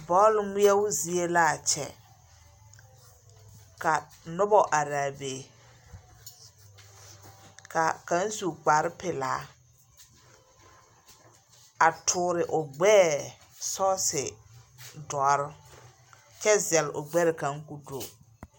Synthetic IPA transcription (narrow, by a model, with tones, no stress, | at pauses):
bɔ˦lmi˦ja˦wʊ˦zi˨˦e˦la˦˨t͡ʃɛ̰˨ | ka˨ | nʊ˦bɔ˦ʔa˨ɾaː˨beː˨ | ka˨ka˦n˦su˨k͡pa˨ɾɪ˦pɪ˨laː˨˦ | a˨tʰʊː˨ɾɪ˨ʔʊ˨ɡ͡bɛː˦ | sɔ˦sɪ˨ | dɔ˨˦ɾʊ˦ | t͡ʃɛ˦zɛ˨lʊ˨ɡ͡bɛ˦ɾɪ˨ka˨˦ŋku˦do˨